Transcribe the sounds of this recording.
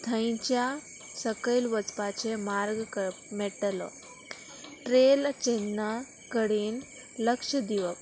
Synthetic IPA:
t̪ʰə̃j̃t͡ɕja | səkəjlʋət͡spat͡semaɾɡkəmeʈlɔ̰ | ʈɾelt͡ɕenːa | kəɽiːn | ləkʂəd̪iʋək

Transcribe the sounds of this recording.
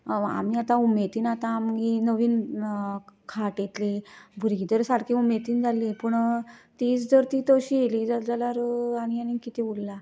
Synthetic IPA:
a̰miat̪ãumet̪iːnat̪ãːmɡinəʋiːn | kʰaʈjet̪libʱuɾɡit̪əɾsaɽkʰiumet̪iːnd͡zʱalipəɳt̪iːt͡sd͡zəɾt̪iːt̪əɕiːjeliːd͡zad͡zalaɾaɽ̃ijanikit̪ebulːa

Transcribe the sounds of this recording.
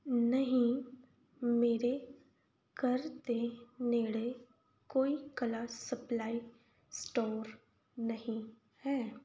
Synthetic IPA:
nɐɦĩ | meːɾe | kɐɾt̪eneːɽe | koːikɐlasɐplaːi | sʈoːɾ | nɐɦĩ | hɛː

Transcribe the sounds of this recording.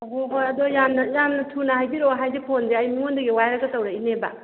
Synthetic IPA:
ɦoɦojɐdojamnɐjamnɐtʰunaɦajbiɾoɦajzepʰonzeajmiŋondɐɡiwajɾɐɡɐtɐwɾaineba̰

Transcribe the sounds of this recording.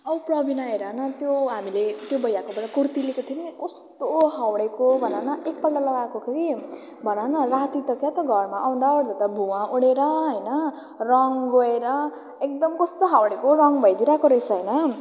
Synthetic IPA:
ʌprʌbinaeɾʌnʌt̪joɦamilet̪jobʌjakobʌɽakurt̪ilekot̪ʰionekʌst̪oɦawɽekobʱʌnanʌek̚pʌlɖalʌɡakokʰeɾi | bʱʌnanʌrat̪it̪ʌkjat̪ʌɡʱʌrmaʔaw̃nd̪aoɽlet̪ʌbʱuwãʔoɽeɾʌɦʌjnʌ | rʌŋɡoeɾʌ | ek̚d̪ʌmkʌst̪oɦawɽekorʌŋbʱʌjd̪iɾakoɾet͡sʰʌɦʌjnʌ

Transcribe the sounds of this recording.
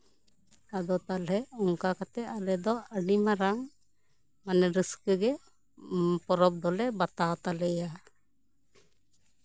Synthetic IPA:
ad̪ɔt̪alɦɛɔŋkakat̪ɛalɛd̪ɔəɖimaɾam | manɛɾiskəɡɛ | pɔɾɔp̚d̪ɔlɛbat̪awt̪alɛja

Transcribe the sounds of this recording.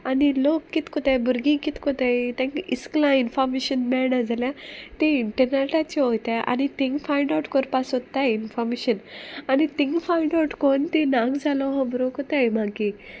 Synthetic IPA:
anilokːit̪kɔt̪ãbəɾɡĩkit̪kɔt̪at̪ɛ̃ŋkisklãinfɔɾmeɕənmɛɭnãd͡zʱaljãt̪ẽiɳʈəɾneʈat͡ɕɔɦojt̪aʔa̰nit̪ĩŋɡfaiɳɖawʈkɔɾpasot̪ːainfɔɾmeɕənanit̪ĩŋkfaiɳɖawʈkont̪ĩnãɡd͡zʱalɔɦɔ̃mbɾokɔt̪ajm̤aɡĩ

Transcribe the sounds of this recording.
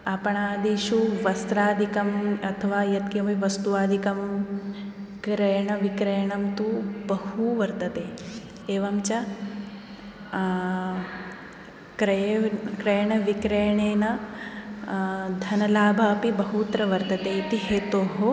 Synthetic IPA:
ɐpɐɳaːd̪iʃuʋɐst̪ɾaːd̪ʱikɐmɐt̪ʰɐʋaːjɐt̪̚kjɐmiʋɐst̪uʋaːd̪ʱikɐm | kɾejɐɳɐʋikɾejɐɳɐmt̪ubɐhuʋɐɾt̪ɐt̪eː | eːʋɐmt͡ʃɐ | kɾɐkɾejɐɳɐʋikɾejɐɳeːnɐ | d̪ʱɐnɐlaːbʱɐːpibɐɦut̪ɾɐʋɐɾt̪ɐt̪eːit̪iɦeːt̪oːɦo

